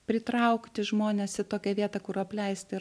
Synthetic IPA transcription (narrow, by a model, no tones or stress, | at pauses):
pʲɾʲɪt̪ɾɐʊkt̪ʲɪʒmoːnʲɛsɪt̪oːkʲɛʋʲiɛt̪ɑkʊɾɐpʲlʲɛɪsʲt̪ʲɪ